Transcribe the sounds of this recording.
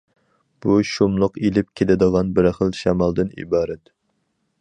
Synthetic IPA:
b̥uʃumlˠʊqelɪp̚kʲʰelɪd̪əʁɑnbɪɾχəlˠʃɛmɑlˠd̪ɨnḭbɑːɾɛt̪

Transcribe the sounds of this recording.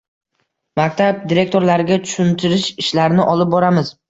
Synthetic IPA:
mak̚ʲt̪ʰab̚d̪iɾe̞k̚ʲt̪o̞ɾlaɾɪɡʲat̪ʰʊ̥ʃʊnt̪ʰɪɾɪʃɪʃlaɾɪnɪʔɒlɪp̚bɒɾamɪz̥

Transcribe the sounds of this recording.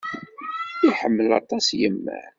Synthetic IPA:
iħəmːəlɑ̰t̪ˤɑsjəmːæ̰ʕ

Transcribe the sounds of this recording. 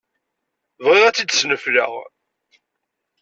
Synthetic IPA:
vʁɪʁæt͡sːid̪snəflə̰ʁ

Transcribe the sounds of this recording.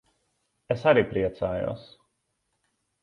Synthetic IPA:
esaɾipɾiɛt̪saːjṵːs

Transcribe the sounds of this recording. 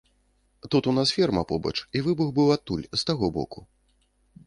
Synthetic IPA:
t̪ut̪unasfʲɛrmɐpɔbɐ̰t͡ʂivɨbuɣbɨwat̪ːulʲz̥t̪aɣɔbɔ̰ku

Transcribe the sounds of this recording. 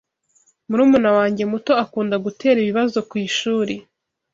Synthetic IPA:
muɾuːmunawaːɲɟe̞muto̞akuːndaɡutʰe̞ːɾiβiβazo̞kwiːʃuːɾe

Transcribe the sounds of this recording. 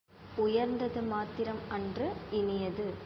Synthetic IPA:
ʊjɐɾnd̪ɐðɯmaːt̪ɪɾɐmɐndrɯɪnɪjɐðɯ

